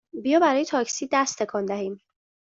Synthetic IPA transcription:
bijɒːbæɾɒːje̞t̪ʰɒːcsiːd̪æst̪ʰe̞kʰɒːnd̪æɦiːm

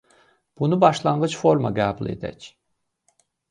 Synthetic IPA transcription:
b̥unubɑʃlˠɑɴɢɯt͡ʃfo̞ɾma̰ɡæːbulˠḛd̪æ̰cʰ

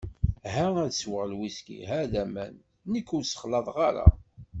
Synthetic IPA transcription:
ɦææðswəʁəlwiskḭɦæðæmæ̰nː | əkːʊɾsə̥χlɑðˤʁɑɾa̰

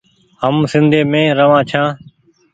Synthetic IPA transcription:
ɦəmsɪnd̪ʱeːmẽːɾəʋãːt͡ʃʰãː

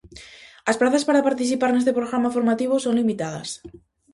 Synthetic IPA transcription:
asplaθaspaɾapaɾt̪iθ̬ipaɾnest̪epɾoɣɾamafo̞ɾmat̪iβ̞oso̞nlimit̪að̞a̰s

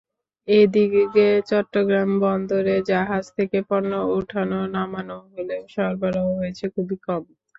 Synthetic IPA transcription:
ed̪iɡiket͡ɕɔʈːoɡɾambɔnd̪oɾed͡ʑaɦad͡ʑt̪ʰekepɔnːooʈʰanonamanoɦoleoʃɔɾbaɾaoɦojet͡ɕʰekʰubikɔm

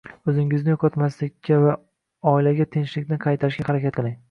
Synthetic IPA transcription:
ɵzɪŋɪznɪjoqʰɒt̪maslɪkʲʰːava | ɒɪlaɡʲat̪ʰenʃlɪkʲnɪqʰɑjt̪ʰaɾɪʃkʲahaɾakʲat̪̚qʰɨlˠɪŋ

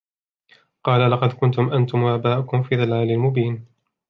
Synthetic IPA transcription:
qɑːlalɑqɑd̪kʊnt̪ʊmʔant̪ʊmʔaːbaːʔʊkʊmfiːðalaːlɪlmʊbiːn

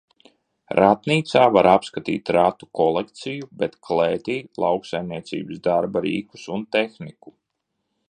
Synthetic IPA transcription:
ɾat̪niːt̪saːvaɾapskat̪ḭːt̪ɾat̪u̥kɔlˠekt̪sijubɛt̪kleːt̪iːlˠawksajmniɛt̪sḭːbɨsd̪aɾbaɾḭːku̥sunt̪exniku

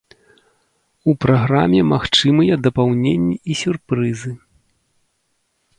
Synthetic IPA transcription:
upɾaɣɾamʲɛmaxt͡ʂɨmɨjɛd̪ɐpawnʲenʲːiisʲurpɾɨzɨ

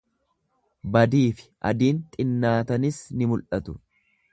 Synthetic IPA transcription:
bɐd̪iːfɪ̥ʔɐ̰d̪iːnt̪ʼɪnːaːt̪ɐnɪsnɪmʊlʔɐt̪ʊ

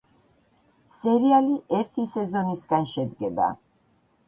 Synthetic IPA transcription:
sɛɾialiʔɛɾt̪ʰisɛzɔnisɡanʃɛd̪ɡɛba̰

